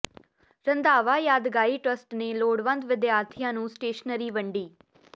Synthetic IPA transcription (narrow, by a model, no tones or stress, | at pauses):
ɾənd̪aːʋaːjaːd̪ɡaːiːʈɾəsʈneːloːɽʋə̃nd̪ʋɪd̪jaːɾt̪ʰijãːnũːsʈeːʃnəɾiːʋəɳɖiː